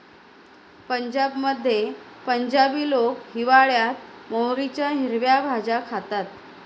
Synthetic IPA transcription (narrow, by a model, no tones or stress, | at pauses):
pəɲd͡ʑabməd̪ʱːje | pəɲd͡ʑabiːlokɦiʋaɭjat̪̚mowɾit͡ɕjaɦiɾʋjabʱad͡ʑakʰat̪at̪̚